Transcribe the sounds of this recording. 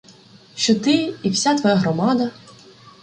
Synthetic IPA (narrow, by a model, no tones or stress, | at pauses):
ʃt͡ʃɔt̪ɪiwsʲat̪ʋɔjaɦɾɔmɑd̪ɐ